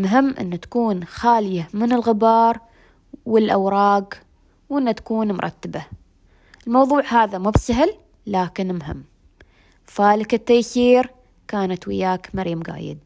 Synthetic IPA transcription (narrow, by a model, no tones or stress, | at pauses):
mɦɪmːʔɪ̰nːat̪ḁkuːnxaːljamɪnɪlɣɪbɑːɾˤ | wɪlʔawɾˤɑːɡ | wʔɪnːat̪ḁkuːnmʊ̰ɾˤʔɑ̰t̪ːaba | ɪlmɑwðˤuːʕhaːðamuːbsaɦɪlː | aːkɪnmɦɪ̰mː | faːlɪkɪt̪ːajθiːɾ | kaːnat̪wɪ̰jaːkmaɾiːmɣa̰ːjɪ̰d̪̚